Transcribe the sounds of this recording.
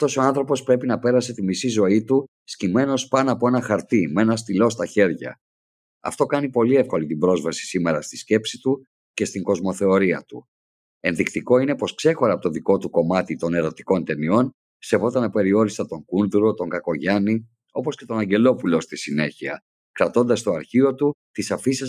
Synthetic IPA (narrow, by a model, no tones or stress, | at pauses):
ɐft̪o̞so̞ɐ̃nθɾo̞po̞spɾe̞pinɐpe̞ɾɐse̞t̪imisizo̞it̪u | scime̞no̞spɐnoɐːpo̞e̞nɐxɐɾt̪ime̞nɐs̬t̪ilo̞st̪ɐçe̞ɾʝɐ̰ | ɐ̰ft̪o̞kɐnipo̞liefko̞lit̪ibɾo̞zvɐsi̥sime̞ɾɐst̪i̥sce̞psit̪u | ce̞st̪iŋɡo̞zmo̞θe̞o̞ɾiɐt̪u | e̞nðikt̪iko̞ine̞po̞skse̞xo̞ɾɐpot̪oðiko̞t̪uko̞mɐt̪it̪o̞ne̞ɾo̞t̪i̥ko̞nt̪e̞nio̞n | se̞vo̞t̪ɐnɐpe̞ɾio̞ɾist̪ɐt̪o̞ŋɡunðuɾo̞t̪o̞ŋɡɐko̞ʝɐni | o̞po̞sce̞t̪o̞nɐɲɟe̞lo̞pulo̞st̪isine̞çiɐ | kɾɐt̪o̞nd̪ɐst̪oɐɾçio̞t̪ut̪isɐfis